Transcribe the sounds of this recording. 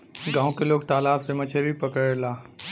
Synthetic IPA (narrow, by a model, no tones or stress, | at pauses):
ɡãːõkeloːɡ̚t̪aːlaːbsemɐt͡ʃʰeɾipəkəɾelaː